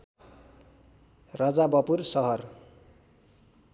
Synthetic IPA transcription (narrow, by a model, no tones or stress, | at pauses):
rʌd͡zabʌpursʌɦʌr